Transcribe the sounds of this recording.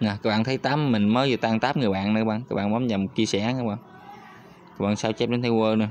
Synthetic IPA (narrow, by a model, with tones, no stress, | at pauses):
naː˨˩kaː˦˥k̚ɓaː˧˨t̪ʰə˨˦jt̪aː˨˦˥mːï˨˩ŋməː˨˦jzɨ˨˩t̪aː˧ŋt̪aː˦˥p̚ŋɨ˨˩əjɓa̰ː˧˨nnɨ˨˧˦ɓaː˧ŋkaː˦˥k̚ɓa̰ː˧˨mɔ˨˦mɲa˨˩mo˨˩t͡ɕi˧sɛ̰˧˩na˧˦˥ɓaː˧ŋ | kaː˧˦˥p̚ɓa̰ː˧˨nsaː˧wt͡ɕɛ˦˥p̚ɗnt̪ʰə˧jwəː˧nɨ˨˧˦